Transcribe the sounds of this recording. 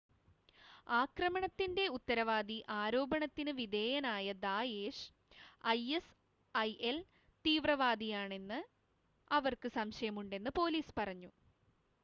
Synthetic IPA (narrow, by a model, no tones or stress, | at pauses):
aːkrɐmɐɳɐt̪ːinde̞ut̪ːɐɾɐʋaːd̪iʔaːɾo̞ːbɐɳɐt̪ːinɨʋid̪ʱe̞ːjɐnaːjɐd̪aːjeːʂ | ɐjes | ɐjʔel | t̪iːʋrɐʋaːd̪ijaːɳe̞nːɨ | ɐʋɐrkɨsɐmɕɐjɐmuɳɖe̞nːɨpo̞ːliːspɐrɐɲːu